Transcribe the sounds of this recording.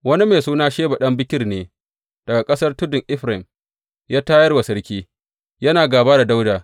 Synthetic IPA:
wɐ˦ni˦meː˨suː˦naː˦ʃeː˦ba˨ɗɐ˦mbɪ˦kʲɪ˦rneː˨ | d̥ɐ˨ɡa˨kʼɐ˦sɐ˦rtʊ˦dʊ˨ŋʔɪ˦ɸɾɛ˨m | jaː˦taː˦jɐ˦rwa˨sɐ˦rkʲiː˦ | jɐ˦naː˨ɡaː˨baː˦da˨da˦wdaː˨

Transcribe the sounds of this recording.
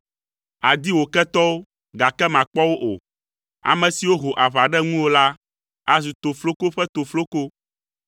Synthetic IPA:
a˨d̪i˦wo˨kɛ˦t̪ɔ˦wo˦ | ɡa˨kɛ˦mã˨k͡pɔ˦wo˦ʔo̰˨ | a̰˨mɛ̃˨si˨wo˦ɦo˨ʔa˨βa˨ɖɛ˦ŋũ˦wo˦la˦ | a˨zu˨t̪o˨flo˦ko˦ɸɛ˦t̪o˨flo˦ko˦

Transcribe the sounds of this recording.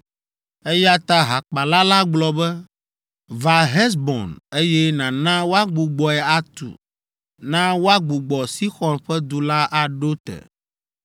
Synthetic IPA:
e˦ja˦t̪a˦ɦa˨k͡pa˨la˦la˦ɡ͡blɔ˨bɛ˦ | va˨ɦɛ˦s̬bɔ̰˨ne˦jɛ˦nã˨nã˦wo˦a˦ɡ͡bu˨ɡ͡bɔ˨ɛ˨a˦t̪ṵ˨ | nã˦wo˦a˦ɡ͡bu˨ɡ͡bɔ˨si˦xɔ˨nɸɛ˦d̪u˨la˦ʔa˨ɖo˦t̪ɛ̰˨

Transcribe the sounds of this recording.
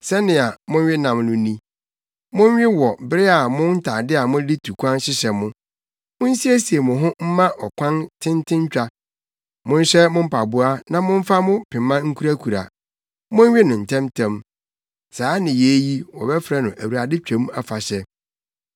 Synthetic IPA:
sɛ˦nɪ̃˨a˨mʊ̃˦n˦ɥɪ˦nã˨mnʊ̃˦nĩ˦ | mʊ̃˦ɲ˦ɥɪ˦wɔ˨bɪ˦ɾɪ˦a˨mʊ̃˦n˦tʰaː˨dɪ˦a˨mʊ̃˦li˦tʰu˨kʷʰã˦nɕɪ˦ɕɛ˨mʊ̃˦ | mʊ̃˦n̩˦si˦æ˦si˨e˨mʊ̃˨ɦʊ̃˦m̩˦mã˦ʔɔ˨kʷʰã˦ntʰɪ̃˦ntʰɪ̃˦ɲ˦t͡ɕᶣa˦ | mʊ̃˦n̩˦ɕɛ˦mʊ̃˦m̩˦pʰa˨bʊ˦a˦nã˦mʊ̃˦ɱ̩˦fa˦mʊ̃˦pʰɪ̃˨mã˦ŋ̩˦kʰu˦ɾæ˦kʰu˨ɾa̰˨ | mʊ̃˦ɲ˦ɥɪ˦nʊ̃˨n̩˨tʰɛ̃˦mtʰɛ̃˦m | saː˨˦nɪ̃˨je˨˦ji˦wɔ̰˨bɛ˦fɾɛ˦nʊ̃˨ʔæ˨wu˨ɾa˨dɪ˦t͡ɕᶣɛ̃˨˦m˦a˨fa˨ɕɛ˦

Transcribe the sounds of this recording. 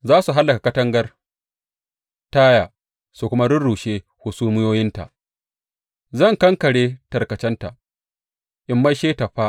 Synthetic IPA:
zaː˦su˨ɦa˦lːɐ˨ka˨kɐ˦tɐ˦ŋɡɐ˦r | taː˦jaː˨ | su˨kʷʊ˦ma˦ɽʊ˦nɽuː˨ʃeː˦ | hʊ˨suː˦mɪ˦joː˦jɪ˦nta̰˨ʔ | zɐ˦˨ŋkɐ˦ŋkɐ˨ɽeː˦tɐ˨rkɐ˨t͡ʃɛ˦nta˨ʔ | ʔɪ˨mːa˦jʃeː˦ta˨ɸa˦ʔ

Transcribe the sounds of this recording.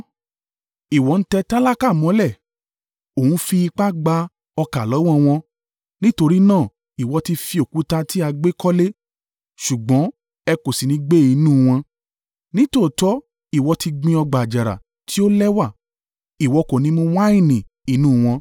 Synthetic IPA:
i˨wɔ˨˦n̩˦tɛ˧ta˦la˦ka˦˨mɔ̃˨˦lɛ˦˨ | o˨ũ˨˦fi˧i˧k͡pa˦ɡ͡ba˧˦ | ɔ˧ka˨lɔ˨˦w̃ɔ̃˧w̃ɔ̃˧ | nĩ˦to˧ɾi˦nãː˦˨ | i˨wɔ˧ti˧fi˧o˨ku˨˦ta˧ti˦a˧ɡ͡be˦kɔ˦le˦ | ʃu˨ɡ͡bɔ̃˨˦ | ɛ˧ko˨si˨nĩ˧˦ɡ͡be˦i˧nũ˦˨w̃ɔ̃˧ | nĩ˦to˦˨tɔ˦ | i˦˨wɔ˧ti˧ɡ͡bĩ˧ɔ˧ɡ͡ba˨d͡ʒa˨ɾa̰˨ | ti˦o˦lɛ˦wa˦˨ | i˨wɔ˨˧ko˨nĩ˦mõ˧wa˦ĩ˦˨nĩ˨ | i˨˦nũ˦˨w̃ɔ̃˧

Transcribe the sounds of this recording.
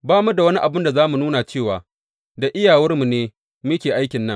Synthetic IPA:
baː˦mu˦da˨wɐ˦ni˦ʔa˨bʊ˦nda˨zaː˦mu˨nuː˦na˨t͡ʃeː˦˨waː˨ | da˨ʔɪ˦jaː˨wɐ˦rmu˨neː˦ | mi˦kʲeː˨ʔa˦jkʲɪ˨nːɐ˦ŋ

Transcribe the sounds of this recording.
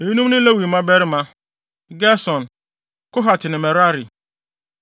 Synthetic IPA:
e˨ji˦nũ˦m˦nʊ̃˦lɛ˦wi˨mã˦bɛ˦ɾɪ˦mã˦ | ɡɛ˦sɔ̃˨n | kʊ˦ɦa˨tʰɪ˨nɪ̃˨mɛ˨ɾa˦ɾi˨

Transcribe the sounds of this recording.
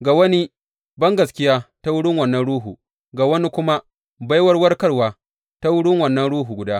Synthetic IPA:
ɡa˨wɐ˦ni˦ | bɐ˦ŋɡɐ˨s̬kʲɪ˦jaː˦ta˦wʊ˦ɽɪ˦ŋwɐ˨nːɐ˦nɽuː˦ɦuː˨ | ɡa˨wɐ˦ni˦kʷʊ˦ma˦ | ba˦jwɐ˦rwɐ˦rkɐ˦ɽwaː˨ | ta˦wʊ˦ɽɪ˦ŋwɐ˨nːɐ˦nɽuː˦ɦuː˨ɡʷʊ˨daː˦

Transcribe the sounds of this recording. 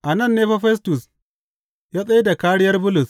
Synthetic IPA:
ʔa˨nɐ˦˨nːeː˦ɸa˦ɸɛ˦s̬tʊ˨s | jaː˦sʼɐ˦ji˦da˨kaː˦ɽɪ˦jɐ˦rbʊ˦lʊ˨s

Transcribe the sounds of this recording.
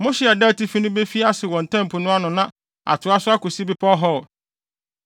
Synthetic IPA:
mõ˦ɕi˦a˨da˦˨ti˦fi˦nʊ̃˦be˦fi˦a˦sɪ˨wɔ̃˨n̩˨tʰɛ̃˦m˨pʰʊ˨nʊ̃˦a˦nʊ̃˨nã˦ | a̰˨tʰʊ˨a˦sʊ˦a˦ko˨si˦bi˦pʰɔ˦ɦɔ˦˨

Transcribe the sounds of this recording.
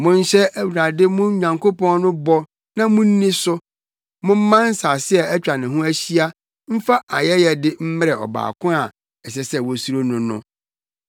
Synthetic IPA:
mʊ̃˦n̩˦ɕɛ˦æ˦wu˨ɾa˨dɪ˦mʊ̃˦ɲã˨ŋkʰo˦pɔ̃˦nnʊ̃˦bɔ˦ | nã˦mʊ̃˦n̩˦nĩ˦sʊ˦ | mʊ̃˦m̩˦mã˦n̩˦saː˨sɪ˦ɛ˨ɛ˦t͡ɕᶣa˨nɪ̃˨ɦʊ̃˦æ˦ɕi˦a˦ | m̩˦fa˦ʔa˨jɛ˦jɛ˨dɪ˦m̩˦mɪ˦ɾɛ˨ɔ̰˨ba̰ː˨kʰʊ̃˦a˨ | ɛ˨ɕ̬ɛ˨sɛ˦˨wɔ˨su˦ɾo˦nʊ̃˨nʊ̰̃˦

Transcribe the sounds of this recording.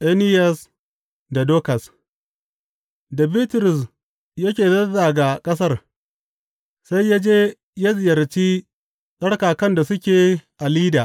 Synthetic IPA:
ʔe˦nɪ˦jɐ˨s | da˨doː˦kɐ˨s | dɐ˨bi˦tʊ˨ɾʊ˨s | jɐ˦kʲeː˨zɐ˦zaː˨ɡa˨kʼɐ˦s̬ɐ˦r | sa˦jːa˦d͡ʒeː˦ | ja˦zɪ˨jɐ˨ɾt͡ʃiː˦ | sʼɐ˦ɽkaː˨kɐ˦nda˨sʊ˦kʲeː˨ʔa˨liː˦daː˨ʔ

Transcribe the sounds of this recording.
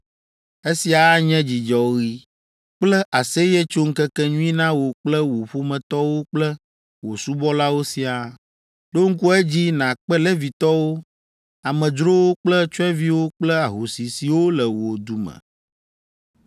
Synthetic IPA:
e˦si˨a˨˦ɲɛ̃˦d͡ʑi˨d͡ʒɔ˨ɣi˦ | k͡plɛ˦ʔa˨se˦jɛ˦t͡ʃo˦ŋ̩˦kɛ˦kɛ˦ɲũ˦ĩ˦nã˦wo˨k͡plɛ˦wo˨ɸo˦mɛ̃˨t̪ɔ˦wo˦k͡plɛ˦ | wo˨su˦bɔ˦la˦wo˦si˨a˨ | lo˦ŋ̩˦ku˦ɛ˦d͡ʑi˦nã˨k͡pɛ˦lɛ˦vi˨t̪ɔ˦wo˦ | a˨mɛ̃˨d͡ʒɾo˦wo˦k͡plɛ˦t͡ʃɔ˦ɛ̃˦vi˦wo˦k͡plɛ˦a˨ɦo˨si˨si˨wo˦lɛ˨wo˨d̪u˨mɛ̰̃˨

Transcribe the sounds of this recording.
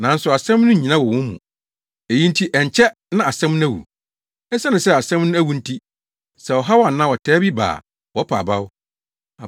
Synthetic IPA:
nã˨˦n̩˦sʊ˨a˨sɛ̃˦mnʊ̃˦˨ɲĩ˨nã˦wɔ˨wʊ̃˦mmːṵ̃˨ | e˨jĩ˦n˦tʰi˦ʔɛ˨ɲ˨t͡ɕʰɛ˦ | nã˦a˨sɛ̃˦m˦nʊ̃˦æ˦˨wṵ˨ | ɛ˦sɛ˦nʊ̃˨sɛ˦a˨sɛ̃˦mnʊ̃˦æ˦wu˨n̩˦tʰi˦ | sɛ˨wɔ˨ɦa˦wɔ˦a˨nã˦wɔ˨tʰɛː˦bi˦ba̰ː˨ | wɔ˦pʰa̰˨ba˦ʊ˦ | a˨

